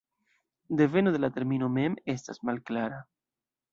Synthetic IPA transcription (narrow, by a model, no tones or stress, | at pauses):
d̪e̞ve̞nod̪elat̪e̞ɾmino̞me̞me̞stasmalklaɾa